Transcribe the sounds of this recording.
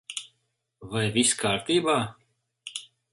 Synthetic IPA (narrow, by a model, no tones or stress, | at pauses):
vajviskʰaːɾt̪iːbaː